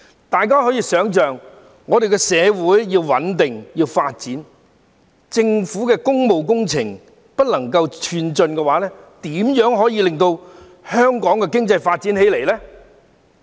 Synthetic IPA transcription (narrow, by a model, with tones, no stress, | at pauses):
t̪aː˨˩jkaː˥ɦɔː˨˥jiː˧sœː˨˥ŋt͡ʃœː˨ŋː | ɔː˨˧d̪e˨jkɛ˧sɛː˨˧wuː˨˥jːiː˧wwɐ˨˥nt̪ɪ˨ŋjiː˧wfaː˧t̚t͡siː˨˥n | t͡sɪ˧ŋfuː˨˥kɛː˧kʊ˥ŋmo˨wk̬ʊ˥ŋt͡sʰɪ̰˨˩ŋ | pɐ˥t̚lɐ˨˩ŋkɐ˧wt͡ʃʰyː˧nt͡ʃɵ˧nkɛː˧waː˨˥lɛː˥t̪iː˨˥mjœː˨˥ŋɦɔː˨˥jiː˧lɪ˨˩ŋt̪o˧w | hœː˥ŋkɔː˨˥ŋkɛː˧kɪ˥ŋt͡sɐ˧jfaː˧t̚t͡si˨˥nhe˨˥jle˨˩jlɛː˥